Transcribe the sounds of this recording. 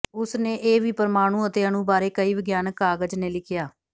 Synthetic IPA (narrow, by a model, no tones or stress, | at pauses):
ʊsneːʔeːʋiːpəɾmaːɽ̃ũːət̪eːəɽ̃ũːbaːɾeːkəiːʋəɡjaːnkːaːɡəd͡ʒneːlɪkʰjaː